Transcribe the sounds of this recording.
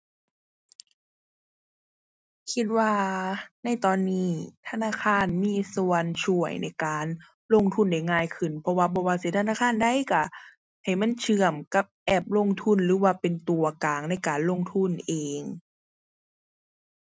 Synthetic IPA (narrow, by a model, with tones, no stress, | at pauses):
kʰi˧t̪̚waː˧˩na˧˩jt̪ɔː˨˧nːiː˧˥˩t̪ʰa˧naː˧˥˩kʰaː˧˥˨nmiː˧˥˨su˨˧ənt͡ɕʰu˧˩əjna̰˧˩jkaː˨n | lo˧˨ŋt̪ʰu˧˥˨nda˧˩jŋaː˧˨jkʰɯ˧˩npʰɔ˧waː˧˨bɔː˧waː˧˩siː˧˦t̪ʰnaː˧˥˨kʰaː˧˥˨nda˧˥˨jka˧˩ | ha˨˩jma˧˥˨nt͡ɕʰɯ˧˩əmka˧˦p̚ʔɛː˧˩p̚lo˧˥˨ŋt̪ʰu˧˥˨nɾɯː˨˦waː˧˩pe˨nt̪u˨˩ɐkaː˨ŋna˧˥˩jkaː˨nlo˧˥˨ŋt̪ʰu˧˥˩nʔeː˨ŋ